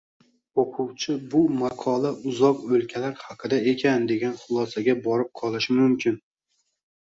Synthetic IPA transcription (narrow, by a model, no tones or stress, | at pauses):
oqʰʊwt͡ʃʰɪbʊmaqʰɒlˠaʔʊzɒqɵlkʲʰalaɾhɑqʰɨd̪ae̞kʲʰand̪e̞ɡʲanχʊlˠɒsaɡʲabɒɾɪp̚qʰɒlˠɪʃɪmʊmkʲɪn